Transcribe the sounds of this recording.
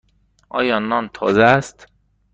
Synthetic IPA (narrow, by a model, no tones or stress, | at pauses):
ʔɒ̰ːjɒːnːɒnt̪ʰɒ̰ːzest̪